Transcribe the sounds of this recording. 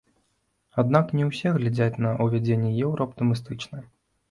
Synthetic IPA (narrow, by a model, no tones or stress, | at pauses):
ad̪naknʲɛwsʲɛɣlʲad͡zʲat͡sʲnɐʔuvʲad͡zʲenʲːɛjɛwɾɐɐpt̪ɨmʲɨs̬t̪ɨt͡ʂnɨ